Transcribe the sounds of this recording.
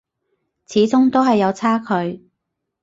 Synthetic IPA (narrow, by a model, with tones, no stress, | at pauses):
t͡sʰiː˨˥t͡sʊ˥ŋt̪o˥wɦɐ˨jːɐ˨˧wt͡sʰaː˥kʰɵ˨˧ɥ